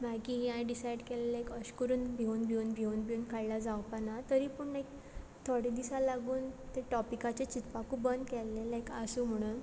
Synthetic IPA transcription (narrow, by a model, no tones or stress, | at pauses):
makiɦãjɖisajɽkɛlelaekəɕkəɾuːnbʱeunbʱiunbʱiunbʱiunkajlad͡zawpanat̪əɾiːpəɳnajk | t̪ʰoɽid̪isalaɡuːnt̪eʈɔpikat͡ɕet͡ɕit̪pakubənd̪kɛlːẽlaekasuːm̤əɽ̃uːn